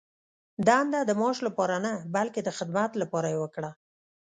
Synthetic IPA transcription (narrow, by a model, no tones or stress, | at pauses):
d̪ɑnd̪ad̪əmɑʃlapɑɾanabalked̪əxɪd̪mat̪lapɑɾajewəkɽa